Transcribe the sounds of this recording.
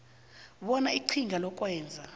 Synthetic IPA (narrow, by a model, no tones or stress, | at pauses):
ɓɔnaiǀʰiŋʱalɔkʼwɛːnd͡zʱa